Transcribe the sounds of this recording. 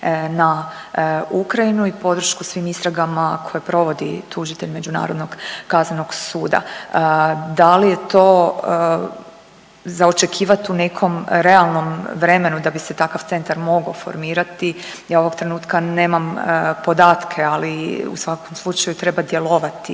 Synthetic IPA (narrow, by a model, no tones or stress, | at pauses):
na | ukɾajinuipo̞d̪ɾ̩ʃkusʋiːmist̪ɾaɡamakʰo̞jepɾo̞ʋo̞d̪ḭt̪ʰuʒit̪e̞ʎme̞d͡ʒuna̰ɾo̞d̪noɡkaznano̞ɡsuːd̪a̰ | d̪alije̞t̪o̞ː | zao̞t͡ʃe̞kʰiːʋat̪une̞kʰo̞mɾe̞alˠno̞mʋɾe̞me̞nud̪abise̞t̪akaʋt̪se̞nt̪aɾmo̞ɡafo̞̰ɾmiːɾat̪i | jaːo̞ʋo̞ɡt̪ɾe̞nuːt̪kane̞ːmampo̞d̪aːt̪kʰe̞aliṵsʋako̞mslˠut͡ʃajut̪ɾe̞bad̪je̞lo̞ʋat̪i